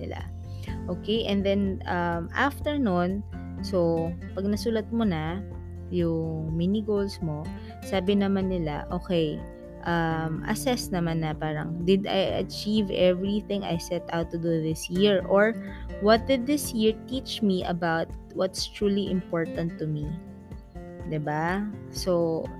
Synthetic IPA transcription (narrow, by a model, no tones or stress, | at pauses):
nɪla̰ | ʔoːkejʔɛ̃nd̪ɛnʔɐmʔaft̪ɛɹnon | sopɐɡ̚nɐsuːlɐt̪̚mʊna | jʊŋminɪɡolsmo | saːbɪnɐmanːɪla̰ʔoːkɛj | ʔɐmʔɐ̰sɛsnɐmanːɐpaːɾɐ̰ŋd̪ɪd̪a̰jʔɐ̰t͡ʃivɛvɹiθɪ̃ŋɐ̰jsɛt̪awt̪ːʊd̪uðɪsjiɹʔoɹwɔt̪̚d̪ɪd̪ːɪsjiɹt̪it͡ʃmiʔɐ̰bawt̪̚wɔt̪st̪ɹuːliʔɪ̃mpoɹt̪ɐ̃nt̪ːʊmi | d̪ɪba | so